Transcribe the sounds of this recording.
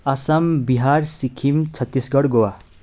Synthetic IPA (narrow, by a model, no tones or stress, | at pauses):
asambiɦarsikʰimt͡sʰʌt̪ːisɡʌɽɡowa